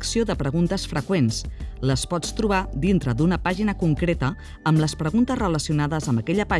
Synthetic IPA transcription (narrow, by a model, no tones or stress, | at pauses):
ksioðəpɾəɣ̞unt̪əsfɾəkwensləspɔt͡st̪ɾuβ̞ad̪int̪ɾəd̪unəpaʒinəkuŋkɾet̪ə | əmləspɾəɣunt̪əsrələsiunaðəzəmbəkɛʎəpa